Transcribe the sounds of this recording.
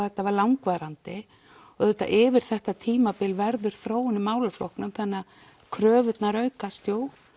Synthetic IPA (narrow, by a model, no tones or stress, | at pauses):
θɛt̪ːavaɾlawŋkvaɾant̪ɪ | ɔɛt̪ːa̰ʔɪvɪɾ̥θɛht̪at̪ʰiːmapɪlvɛɾðʏɾ̥θɾoːwɪnːɪmaːwlaflohknʏmθɛnːa | kʰɾœːvʏt̪naɾœɥkast̪joːw